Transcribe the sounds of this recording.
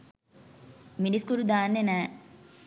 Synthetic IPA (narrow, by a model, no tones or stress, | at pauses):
miniskuɾud̪aːnːena